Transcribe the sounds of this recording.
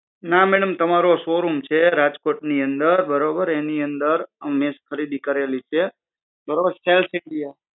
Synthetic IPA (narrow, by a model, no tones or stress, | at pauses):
namɛɽəmt̪əmaɾosoɾumt͡ʃʰeɾad͡ʒkoʈniənd̪əɾbəɾobəɾeniənd̪əɾmɪskʰəɾid̪ikəɾelit͡ʃʰe | bəɾobəɾselsɪɳɖija